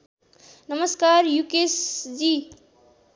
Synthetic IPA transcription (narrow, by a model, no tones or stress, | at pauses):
nʌmʌskaɾjukesd͡zi